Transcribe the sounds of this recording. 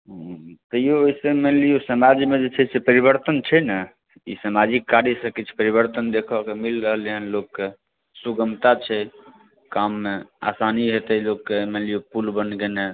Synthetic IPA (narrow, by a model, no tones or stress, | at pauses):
ɦt̪əijooisemenlijosəmad͡ʒmed͡ʒet͡ʃʰɛsepəɾibəɾt̪ənt͡ʃʰɛnə | ḭsəmad͡ʒikːaɾjəsəkit͡ʃʰɛ̥pəɾiβəɾt̪ənd̪ekʰɔkemilɾəɦəliɦənlokːe | suɡəmt̪at͡ʃʰɛ | kamːea̰saniɦet̪əlokːemenlijopulbənɡene